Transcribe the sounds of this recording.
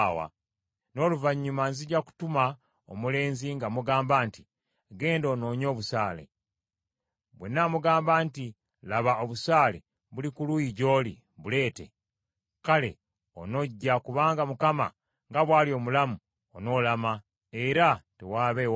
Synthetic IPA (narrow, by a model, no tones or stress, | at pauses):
wa̰ | no̞ːluvaɲːumanziɟaku̥tuma | o̰mule̞ːnziŋɡamuɡaːmbaːnti | ɡe̞ːndo̞ːno̞ːɲo̞ːβusaːle̞̰ | βwenːamuɡaːmbaːnti | laβaoβusaːlḛ | βulikulujiɟo̞ːlḭ | βule̞ːtḛ | kale̞̰ | o̰no̞ɟːakuβaːŋɡamukama̰ | ŋɡaβwaːlio̞ːmulamu | ono̞ːlama | eɾatewaːβew